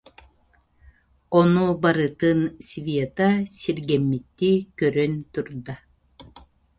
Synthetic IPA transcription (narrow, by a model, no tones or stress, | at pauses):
ɔnubaɾɯt̪ɯnsʲvʲiɛt̪asiɾɡɛmːit̪ːikœɾœnt̪uɾd̪a